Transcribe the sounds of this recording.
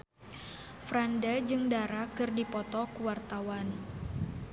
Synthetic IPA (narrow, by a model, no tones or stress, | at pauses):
fɾandad͡ʒɨŋdaɾakɨrdipɔt̪ɔkuwart̪awan